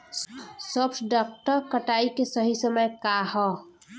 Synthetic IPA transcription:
sɔːpʰʈɖɔːk̚ʈəɾkəʈaːikesəɦisəməjkaːhɔː

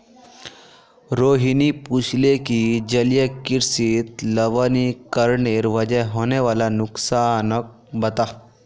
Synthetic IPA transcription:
ɾoɦinipuslekid͡ʑəljəkiɾsit̪ləʋənikəɾɳeɾʋəd͡ʑəjɦoneʋalanuksanək̚bət̪a

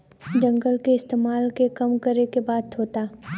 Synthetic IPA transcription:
d͡ʒə̃ŋɡəlkeɪst̪eːmaːlkekɐmkəɾekebaːd̪ʰoːt̪aː

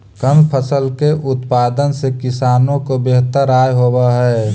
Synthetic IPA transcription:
kəmpʰəsəlkeʔʊt̪paːd̪ənsekɪsaːnõkobeɦt̪əɾaːjɦoːbaɦɛː

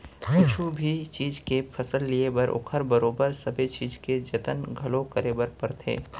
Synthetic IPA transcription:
kʊt͡ʃʰubʱit͡ʃiːd͡ʒkepʰɐsəlːiebɐɾʔo̰kʰəɾbɐɾoːbəɾsɐbʱet͡ʃiːd͡ʒked͡ʒɐt̪ənɡʱɐlõkɐɾebəɾpɐɾt̪ʰḛː

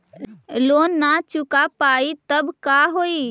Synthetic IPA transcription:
loːnːat͡ʃʊkapaːit̪əbkaɦoːi

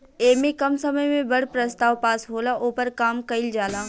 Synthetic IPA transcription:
eːmẽkɐmsɐməjmẽbɐɽpɾɐst̪aːʋpaːsɦoːlaʔoːpəɾkaːmkɐɪld͡ʒaːlaː

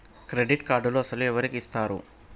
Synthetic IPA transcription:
kɾe̞ɖiʈkaːɾɖuluɐsɐluɛʋɐɾikiːst̪aːɾṵ

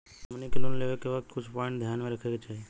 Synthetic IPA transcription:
mnekeloːnleʋekːeʋɐk̚t̪kʊt͡ʃʰpɔ̃ːɪ̃ɳʈd̪ʱjaːnmẽɾɐkʰeɡat͡ʃaːɦie

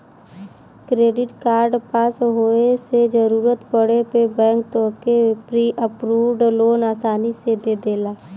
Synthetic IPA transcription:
kɾeːɖɪʈkaːɾɖpaːsɦoːesed͡ʒəɾuːɾət̪pəɽepebɛ̃ːŋk̚t̪okepɾiːʔəpɾuːʋɖloːnaːsaːnised̪ed̪eːlaː

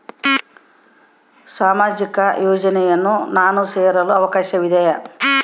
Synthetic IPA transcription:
saːmaːd͡ʒikɐjɔːd͡ʒɐnɛjɐnːunaːnuseːɾɐluɐʋɐkaːʃɐʋid̪ʱɐjɐ

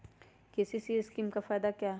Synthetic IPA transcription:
kɪsisiːskiːmkafaːjd̪akjaː

